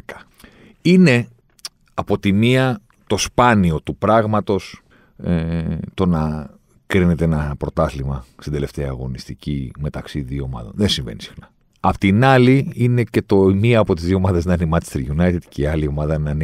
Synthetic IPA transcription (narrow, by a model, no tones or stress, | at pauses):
kɐ̥ | ine̞ | ɐpo̞t̪imiɐ | t̪o̞spɐnio̞t̪upɾɐɣmɐt̪o̞s | et̪o̞nɐ | kɾinet̪eenɐpɾo̞t̪ɐθlimɐst̪ind̪ele̞ft̪eɐːɣo̞nist̪icime̞t̪ɐksiðioomɐ̰ðo̰nðensiɱvḛnisi̥xnɐ | ɐpot̪inɐliine̞ce̞t̪o̞miɐːpo̞t̪izðio̞mɐðeznɐinemɐt͡ʃest̪ɾʝunɐjt̪id̪̥ceiɐlio̞mɐðɐnɐn